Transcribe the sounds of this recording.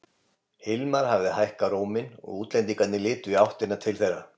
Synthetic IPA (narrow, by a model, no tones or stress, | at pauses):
hɪlmaɾ̥havðɪhajhkaɾoːwmɪnɔ̰ɣuːt̪lɛnt̪̬iŋkat̪nɪlɪːt̪ʏiawht̪ɪnːat̪ʰɪlθejɾa